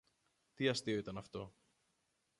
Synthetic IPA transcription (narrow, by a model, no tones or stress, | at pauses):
t̪iɐst̪io̞it̪ɐnɐft̪o̞